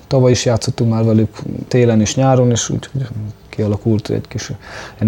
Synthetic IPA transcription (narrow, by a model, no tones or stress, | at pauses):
t̪ɒvɒjiʃjaːt̪sot̪ːuŋkmaːrvɛlykt̪eːlɛneːʃɲaːɾoneːʃṵːchoɟkiɒlɒkult̪ɛ̰ckiʃɛn